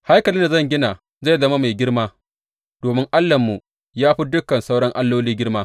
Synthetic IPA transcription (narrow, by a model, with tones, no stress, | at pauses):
ha˦jkɐ˨lɪ˦nda˨zɐ˦˨ŋɡʲɪ˦na˨ | za˦˨jzɐ˦ma˦ma˨jɡʲɪ˦ɽmaː˦ | d̥oː˨mɪ˦ŋʔa˦lːɐ˨mːu˨ | jaː˦ɸi˦dʊ˦kɐ˨nsa˦wɽɐ˦ŋʔa˦lːoː˦liː˦ɡʲɪ˦ɽmaː˦